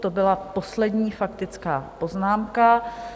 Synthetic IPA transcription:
t̪obɪlapo̞slɛdɲiːfakt̪ɪt͡ska̰ːpo̞znaːmka

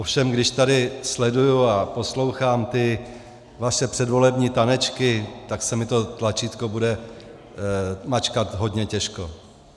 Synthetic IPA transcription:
ʔofʃɛmɡdɪʃt̪adɪslɛdujuapo̞slo̞wxaːmt̪ɪ | vaʃɛpr̥ɛdvo̞lɛbɲiːt̪anɛt͡ʃkɪt̪aksɛmɪt̪o̞t̪lat͡ʃiːt̪kobudɛ | mat͡ʃkat̪ɦo̞dɲɛcɛʃko

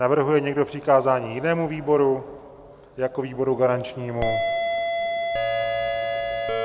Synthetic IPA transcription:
avr̩ɦujɛɲɛɡdo̞pr̝̥ɪkaːzaːɲiːjɪnɛːmuviːbo̞ɾu | jakoviːbo̞ɾuɡaɾant͡ʃɲiːmu

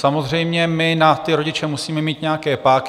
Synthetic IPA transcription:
samo̞zr̝ɛjmɲɛmɪnat̪ɪɾoɟɪt͡ʃɛmusiːmɛmiːt̪ɲɛjakɛːpaːk

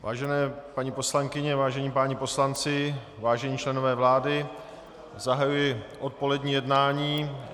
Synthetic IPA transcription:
va̰ːʒɛnɛːpaɲipo̞slaŋkɪɲɛvaːʒɛɲiːpaːɲɪpo̞slant͡sɪ | vaːʒɛɲiːt͡ʃlɛno̞vɛːvlaːdɪ | zaɦajujɪʔot̪̚po̞lɛdɲiːjɛdnaːɲiː

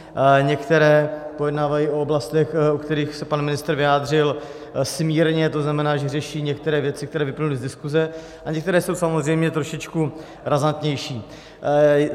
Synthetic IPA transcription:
ɲɛkt̪ɛɾɛːpo̞jɛdnaːvajiʔooblast̪ɛxʔokt̪ɛɾiːxsɛpanmɪnɪst̪ɾvɪjaːd̪r̝ɪl | smiːɾɲɛt̪o̞znamɛnaːʒɛrɛʃiːɲɛkt̪ɛɾɛːvjɛt͡sɪkt̪ɛɾɛːvɪpl̩ɲulɪzdɪskuzɛ | ʔaɲɛkt̪ɛɾɛːso̞wsamozrɛjmɲɛt̪ɾo̞ʃɪt͡ʃku | ɾazant̪ɲɛjʃiː

